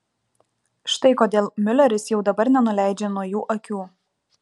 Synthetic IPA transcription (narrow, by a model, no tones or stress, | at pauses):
ʃt̪ɐɪkoːd̪ʲeːlˠmʲɪlʲɛɾʲɪsjɛʊd̪ɐbɐɾnʲɛnʊlʲæˑɪd͡ʒʲeːnuɔjuːʔɐkʲuː